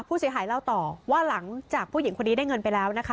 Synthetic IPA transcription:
pʰuː˥˩si˩˦ɦaː˩˦jlaː˥˩wt̪ɔː˨˩waː˥˩la˩˦ŋt͡ɕaː˨˩k̚ʰuː˥˩ji˨˩˦ŋkʰo˧nːiː˦˥daː˥˩jŋɤ˧npa˧jlɛː˦˥wna˦˥kʰa˦˥

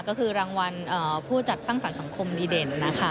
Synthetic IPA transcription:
kɔː˥˩kʰɯː˧ɾaː˧ŋwa˧nʔaː˨˩pʰuː˥˩t͡ɕa˨˩t̪̚sa˥˩ŋsa˨˩˦nsa˩˦ŋkʰo˧mdiː˧deː˧˩nːa˦˥kʰa˦˥˩

